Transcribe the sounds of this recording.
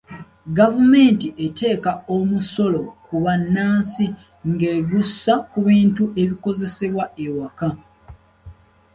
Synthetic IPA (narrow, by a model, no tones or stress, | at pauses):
ɡavume̞ːntiʔe̞tʰe̞ːkaomuso̞lo̞kuβanːaːnsi | ŋɡeːɡusːakuβiːntuʔe̞βiko̞ze̞se̞βwaewaka